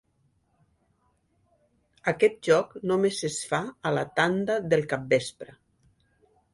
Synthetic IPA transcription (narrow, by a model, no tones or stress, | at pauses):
akɛt̪̚ʒɔknomezesfaːlat̪and̪aðəlˠkap̚bespɾə